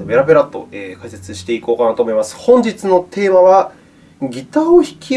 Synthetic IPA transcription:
me̞ɾabe̞ɾat̪ːo̞̰eːkaise̞t͡sɨɕi̥t̪e̞iko̞ːkanaːt̪omo̞imasɨ̥hõ̞ɲ̟d͡ʑit͡sɨno̞t̪ʰe̞ːmaβa | ɡʲit̪aoçi̥kʲʰi

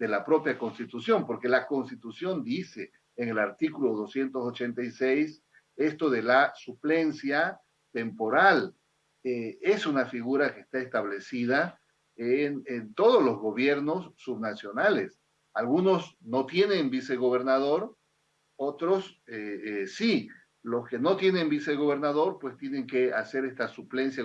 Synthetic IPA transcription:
d̪e̞lapɾo̞pjako̞nst̪it̪usjo̞mpo̞ɾke̞lako̞nst̪it̪usjo̞nd̪iseː | ŋe̞laɾt̪ikulo̞ðo̞sje̞nt̪oso̞t͡ʃe̞nt̪ajsejs | e̞st̪o̞ðe̞lasuple̞nsja | t̪e̞mpo̞ɾal | eesunafiɣuɾake̞ːst̪aest̪aβ̞le̞siða | enent̪o̞ð̞ozlo̞zɣo̞βje̞ɾno̞sːuβnasjo̞nales | alɣuno̞sno̞t̪je̞nembise̞ɣo̞βe̞ɾnaðo̞ɾ | o̞t̪ɾo̞sesi | lo̞ske̞no̞t̪je̞nembise̞ɣo̞β̞e̞ɾnaðo̞ɾpwe̞st̪je̞ne̞ŋke̞ase̞ɾe̞st̪asuple̞nsja

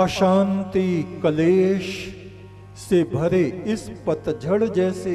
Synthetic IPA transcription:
ɐʃaːnt̪ikɐleːʃ | sebʱɐɾeɪspɐt̪d͡ʒʱɐɽd͡ʒɛːse

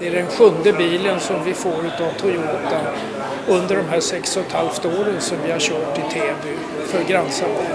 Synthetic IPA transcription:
d̪ɛæɖɛnɧɵnd̪əbiːlənsɔmvɪfoːɾʉ̟ːt̪avt̪ʰʊjuːt̪an | ɵnd̪əɖɔmɦæːʂɛksɔt̪ʰhalft̪əoːɾənsɔmvɪhaɾɕœːʈɪt̪ʰeːbʉ | fœɾɡɾansan

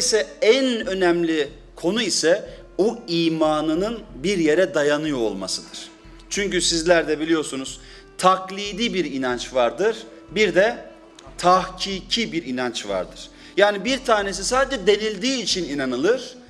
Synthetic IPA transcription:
isɛænø̞nɛmlʲi | kʰo̞nuisɛ | buiːmaːnɯnɯnbiɾje̞ɾɛd̪ajanɯjo̰ːlˠma̰sɯd̪ɯɾ̥ | t͡ʃʰyɲcysizlʲæɾd̪ɛbilʲijo̞ɾsunuz̥ | t̪ʰaklʲˠiːd̪ibiɾinant͡ʃvaɾd̪ɯɾ̥ | biɾd̪ɛ | t̪ʰahcʰiːcʰibiɾinant͡ʃva̰ɾd̪ɯɾ̥ | jaːnibiɾt̪ʰaːne̞s̬isaːd̪ed͡ʒɛd̪e̞nilʲd̪iːt͡ʃʰininanɯlˠɯɾ̥

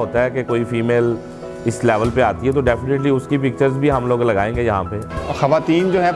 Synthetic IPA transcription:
ɦoːt̪aɦɛkekoːifʰiːmeːl | ɪslɛːʋəlpeaːt̪iɦɛt̪oɖɛːfɪneʈliʊskipɪk̚t͡ʃəɾzbʱiɦɐmloːɡlɐɡaːẽːŋɡejɐɦãpexɐʋaːt̪iːnd͡ʒoːɦɛ̃

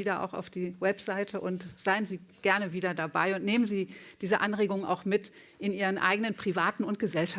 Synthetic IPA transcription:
iːɾɐʔa̰ʊxa̰ʊfd̥iːwɛpz̥aɪtʰəʔʊntz̥aɪənziːɡ̥ɛɐnəviːdɐdaba̰ɪʊntneːmənziːd̥iːzəʔanʁeːɡʊŋəna̰ʊxmɪt | ʔɪnʔiːʁənʔa̰ɪɡənənpʁ̥ivaːtn̩ʊnt̚ɡ̥əzɛlʃa

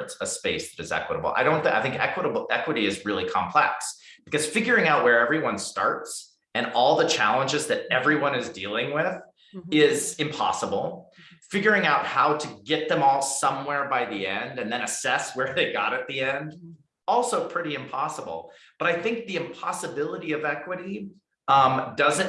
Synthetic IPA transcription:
tsəspeɪsðɨɾɨzɛ̰kwəɾəbl̩ˠa̰ɪɾõʊ̃nθaɪθɪ̃ŋkɛ̰kwəɾəbl̩ˠɛkwəɾiɨzɹɪlˠikʰɑ̰̃mpʰl̥ɛ̰ksb̥ɨ̥kʌz̥fɪɡjə˞ɪ̃ŋaʊʔ̚wə˞ɛvɹiwʌ̃nstɑ̰ɹts | ɨ̃nɔlˠðɨt͡ʃʰælˠə̃nd͡ʒɨzðɨɾɛvɹiwʌ̃ñɨzdilˠɪ̃ŋwɪð | ɪzɨ̃mpʰɑ̰səbl̩ˠfɪɡjə˞ɪ̃ŋaʊt̚haʊɾɨɡɛt̪̚ðɨ̃mɔlˠsʌ̃mwɛɹbaɪðiɛ̃ndɨ̃nðɨ̃ñɨsɛswə˞ðeɪɡɑ̰ɾɨt̪̚ðiɛ̃nd | ɔlˠsoʊpʰɹ̥ɪɾiɨ̃mpʰɑsəbl̩ˠ | b̥ʌɾaɪθɪ̃ŋk̚ðiɨ̃mpʰɑsɨbɪlˠəɾiʌvɛkwɨɾi | ʌ̃mdʌzɨ̃

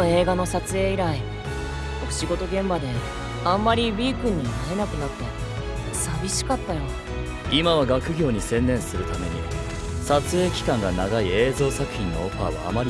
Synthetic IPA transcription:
oe̞ːɡano̞sat͡sɨe̞ːiɾai | oɕiɡo̞t̪o̞ɡẽ̞mbad̪e̞ | ãmːaɾʲibʲiːkɯ̟̃ɲ̟ːinae̞nakɯ̟nat̪ːe̞ | sabʲiɕi̥kat̪ːajo | imaβaɡakɯ̟ɡʲo̞ːɲ̟isẽ̞nːẽ̞ɰ̃sɨɾɯ̟t̪ame̞ɲ̟ḭ | sat͡sɨe̞ːkʲi̥kãŋɡanaɡaie̞ːzo̞ːsakɯ̟̥çʲĩnːo̞̰oɸa̰ːβa̰ːmaɾʲ

